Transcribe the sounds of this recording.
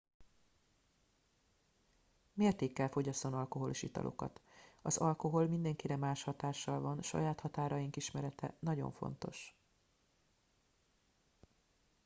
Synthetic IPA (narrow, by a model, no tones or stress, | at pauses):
meːrt̪eːkːɛlfo̞ɟɒst̪onɒlko̞ɦo̞liʃit̪ɒ̰lo̞̰kɒ̰t̪ɒzɒlko̞ɦo̞lmind̪ɛŋkiɾɛmaːʃhɒt̪aːʃːɒlvɒnʃɒ̰jaːt̪hɒt̪aːɾɒjiŋkiʃmɛɾɛt̪ɛ̰nɒɟo̞̰ɱfo̞̰n̪t̪o̞̰ʃ